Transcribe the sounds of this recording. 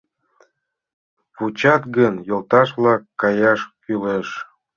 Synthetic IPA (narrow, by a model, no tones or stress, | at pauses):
vut͡ɕɑt̪ɡənjolt̪ɑʃβlɑkːɑjɑʃkyleʃ